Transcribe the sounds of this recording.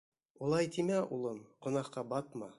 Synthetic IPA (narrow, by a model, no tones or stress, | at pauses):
ulˠɑjt̪imæʔulˠɤmqŏnɑqqɑbɑt̪mɑ